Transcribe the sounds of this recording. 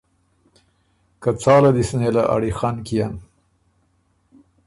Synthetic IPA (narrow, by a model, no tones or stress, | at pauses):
kat͡sɑːlad̪isnelaʔa̰ɽixɑnkijam